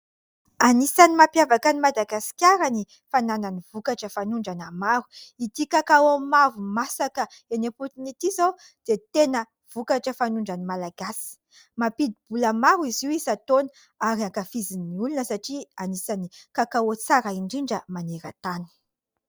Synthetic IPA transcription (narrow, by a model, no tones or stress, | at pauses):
anisanimapjavakanimad̪aɡasi̥kʲjaɾani | fanananiv̥ukaʈ͡ʂəfanuɳɖ͡ʐanamaɾu̥it̪ikakawamavumasakəeneput̪init̪izow | d̪̥et̪enə | v̥ukaʈ͡ʂəfanuɳɖ͡ʐanimalaɡasi̥ | mapid̪ib̥ulamaɾuiziwizat̪on | aɾiaŋkafiziniulunəsaʈ͡ʂianisanikakaot͡saɾaiɳɖ͡ʐiɳɖ͡ʐəmaneɾa̰t̪ani̥